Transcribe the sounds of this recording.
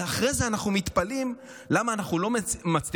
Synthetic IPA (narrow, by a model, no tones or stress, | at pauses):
aχʁezeanaχnumit̪palim | lamaːnaχnulo̞mat͡sli